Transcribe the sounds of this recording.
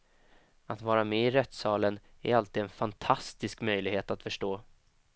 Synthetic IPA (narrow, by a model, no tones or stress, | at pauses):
at̪vɑːɾamɛɪɾɛt̪sɑːlənæ̰ɾalt̪iːd̪ɛnfant̪ʰast̪ɪskmœjlɪɡheːt̪at̪fœʂʈoː